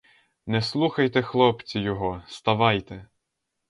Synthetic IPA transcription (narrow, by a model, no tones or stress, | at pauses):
nɛslˠuxɐjt̪ɛxlˠɔpt͡sʲijɔɦɔst̪ɐʋɑjt̪ɛ